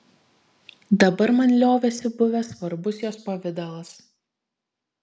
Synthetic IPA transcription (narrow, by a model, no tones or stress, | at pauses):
d̪ɐbɐɾmɐnʲlʲoːʋʲɛsʲɪbʊʋʲɛsʋɐɾbʊsjoːspɐʋʲɪd̪ɐlˠɐs